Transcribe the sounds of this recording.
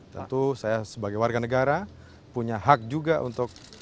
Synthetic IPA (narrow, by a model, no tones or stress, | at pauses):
t̪ə̰nt̪usajasəbaɡajwarɡanəɡaɾa | puɲaɦak̚d͡ʒuɡaʔṵnt̪ʊk̚